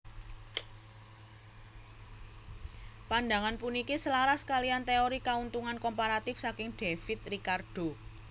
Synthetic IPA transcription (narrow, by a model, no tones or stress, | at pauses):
panda̤ŋanpunikisəlaɾahsə̥kaliant̪eoɾikaunt̪uŋankompaɾat̪ɪfsakɪŋɖ̥efɪt̪̚rikardɖ̥o̤